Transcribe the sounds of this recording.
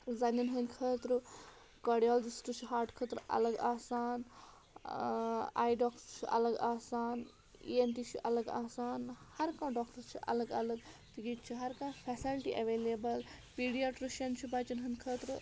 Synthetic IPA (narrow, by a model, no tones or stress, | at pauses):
zɐninɦɐnʲkʰəːt̪ɾɨ | kɐɖijaːld͡ʒisʈut͡ʃʰuɦaːɾʈkʰəːt̪ɾuʔɐ̰lɐɡaːsaːn | a̰ːjɖɔːkst͡ʃʰiʔɐ̰lɐɡaːsaːn | ḭent̪it͡ʃʰiʔɐlɐɡaːsaːnhɐɾkãːɖɔːkʈɐɾt͡ʃʰiʔɐ̰ləɡɐləɡ̚t̪iɡit͡ʃʰiɦɐɾkãːfʰɛsilʈiʔɐʋeːleːbɐlpiːɖijaʈɾiʃɐnt͡ʃʰubat͡ʃɐnɦɐnkʰəːt̪ɾɨ